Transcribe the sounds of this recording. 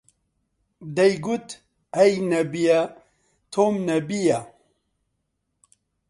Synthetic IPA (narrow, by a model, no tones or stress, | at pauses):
d̪ɛjɡut̪ | ɛjnɛbija | t̪ʰoːmnɛbija